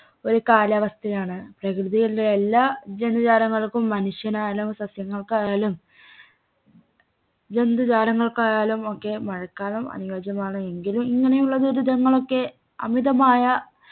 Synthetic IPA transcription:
o̞ɾukaːlɐʋɐst̪ʰɐjaːɳɨprɐkrɨðijilleelːaːd͡ʑend̪ud͡ʑaːɾɐŋːɐɭkumːɐnuʂjɐnaːjlumsɐsjɐŋːɐɭkaːjaːlum | d͡ʑe̞nd̪ud͡ʑaːɾɐŋːɐɭkajaːlumo̞kːe̞mɐɻɐkːaːlumɐ̰niʋɐːd͡ʑɐmaːɳɨe̞ŋɡilumiŋːɐnejuɭːɐðoɾud̪ɐŋːɐɭo̞kːe̞ | ɐ̰miðɐmaːjɐ

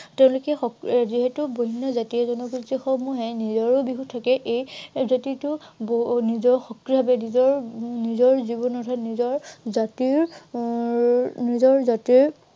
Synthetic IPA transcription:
tɛʊ̃lʊkɛxɔkziɦetʊboɦinːɔzatiɛzɔnɔɡistixɔmuɦɛnizɔɹʊbiɦutʰakɛʔejzatiɹtʊbnizɔɹxɔkɹibʱabɛnizɔɹnizɔɹzibɔnɔtʰanizɔɹzatiɹ | nizɔɹzatiɹ

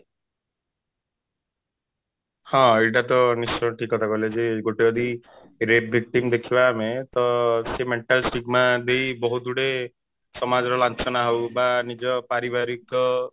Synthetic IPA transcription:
hɔ̃eʈ̬at̪ɔnist͡ʃɔʈʰikɔt̪ʰakɔled͡ʒeɡoʈeɔd̪i | ɾebbik̚ʈimd̪ekʰibamet̪ɔsemeɳʈalsʈiɡmad̪ejbɔɦud̪uɽe | sɔmad͡ʒɔɾɔlant͡ʃɔnaɦowbanid͡ʒɔpaɾibaɾikɔ

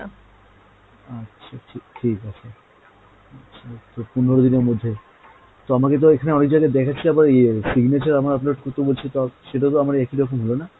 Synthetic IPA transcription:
atːʃʰaʈʰeʈʰikaa | atːɕʰat̪opunoɾod̪ineɾmod̪ʱːe | t̪oamaket̪̬oekʰaneɔnek̚d͡ʑaɡad̪ɛkʰat͡ɕʰiabaɾesiɡnet͡ɕaɾamaɾap̬loʈ̚koɾt̪obolt͡ɕʰit̪oaʃeʈat̪̬oamaɾɛkiɾɔkomɦolona

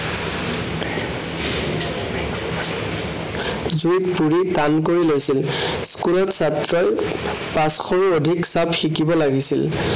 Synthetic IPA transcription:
zuitpuɹidankoɹilojsilskulɔtsatɹɔj | pasxɔɹuodʱiksabxikibɔlaɡisil

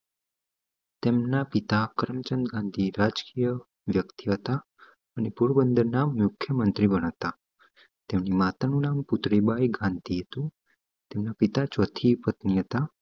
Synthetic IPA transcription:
t̪emnapit̪akəɾmt͡ʃənd̪ɡãnd̪ʱiɾad͡ʒkijə | ʋjəkt̪iɦət̪a | ənepuɽbənd̪əɾnamːʊkʰːjəmənt̪ɾibəñaʋt̪a | t̪emnimat̪anũnamput̪ɾibajɡãnd̪ʱiɦət̪ũ | t̪emnapit̪at͡ʃɔt̪ʰipət̪niɦət̪a

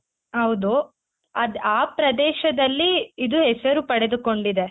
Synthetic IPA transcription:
ɦɐwd̪u | ɐd̪aːpɾɐd̪ɛːʃɐd̪ɐlːiːd̪uɦɛsɐɾupɐɽed̪uko̞ɳɖid̪e̞

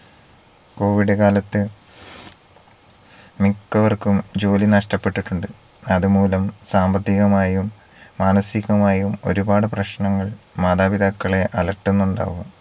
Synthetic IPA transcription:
ko̞ːʋiɽɨkaːlɐt̪ːɨ | mikːɐʋɐrkumd͡ʑo̞ːlinɐʂʈɐpːe̞ʈːiʈːuɳɖɨ | ɐðumuːlɐmsaːmbɐt̪ːiɣɐmaːjjumː | aːnɐsiɣɐmaːjɐjumo̞̰ɾubaːɽɨprɐɕnɐŋːɐɭmaːd̪aːbid̪akːɐɭe̞ʔɐlɐʈːenːuɳɖa̰ːʋum

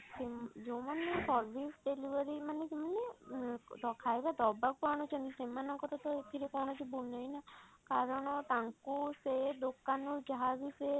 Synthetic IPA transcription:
sed͡ʒomanesɔɾʋisɖ̪eliʋəɾimaned͡ʒemane | d̪ɔkʰajbad̪ɔbak̚paɽ̃ut͡ʃʰɔnisemanɔŋkɔɾɔt̪ɔet̪ʰiɾekɔɽ̃ɔt͡ʃʰibulnɔjnakaɾɔɽ̃ɔt̪ãŋkused̪okanuɡʱaɡise

